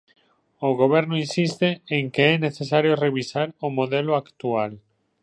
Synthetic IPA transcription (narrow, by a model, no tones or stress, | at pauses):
oɣoβ̞ɛɾnoinsist̪eeŋkeɛneθesaɾjoreβ̞isaɾomoðɛloakt̪ual